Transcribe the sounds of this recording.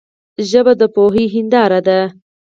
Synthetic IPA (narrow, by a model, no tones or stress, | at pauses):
ʒəbad̪əpoɦiɦɪnd̪ɑɾad̪a